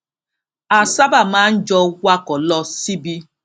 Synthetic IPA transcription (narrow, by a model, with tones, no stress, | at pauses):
a˨sa˦ba˨ma˦n̩˦d͡ʒɔ˦wa˦kɔ˨lɔ˦si˦bi˦